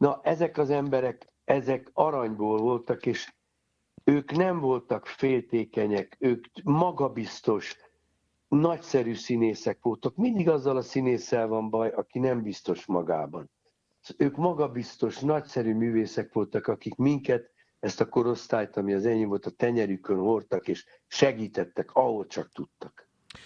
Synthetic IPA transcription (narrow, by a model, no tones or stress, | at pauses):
nɒʔɛzɛkɒzɛmbɛɾɛk | ɛzɛkɒɾɒɲboːlvo̞lt̪ɒkeːʃ | øːknɛmvo̞lt̪ɒkfeːlt̪eːkɛɲɛkøːkmɒɡɒbist̪o̞ʃ | nɒcsɛɾyːsineːsɛkʋo̞lt̪okmind̪iɡɒzːɒlɒsineːsɛlvɒmbɒjɒkinɛmbist̪o̞ʃmɒ̰ɡa̰ːbɒ̰n | øːkmɒɡɒbist̪o̞ʃnɒcsɛɾyːmyːveːsɛkʋo̞lt̪ɒkɒkikmiŋkɛt̪ | ɛst̪ɒko̞ɾo̞st̪aːjt̪ɒmiɒzɛɲːvo̞lt̪ɒt̪ɛɲɛɾykønho̞rt̪ɒkeːʃ | ʃɛɡiːt̪ɛt̪ːɛkɒɦo̞lt͡ʃɒk̚t̪ut̪ːɒk